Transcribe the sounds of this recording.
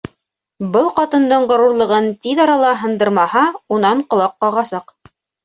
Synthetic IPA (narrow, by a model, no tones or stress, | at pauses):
bɤlˠqɑt̪ɤ̆nd̪ɤɴʁŏɾuɾlˠɤ̆ʁɤnt̪iðɑɾɑlˠɑɦɤ̆nd̪ɤ̆ɾmɑhɑunɑɴqŏlˠɑqːɑʁɑsɑq